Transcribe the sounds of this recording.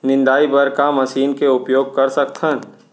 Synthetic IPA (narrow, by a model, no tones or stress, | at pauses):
nɪ̃nd̪aːibɐɾkamɐsiːnkeʊpjoːɡ̚kɐɾsɐkt̪ʰən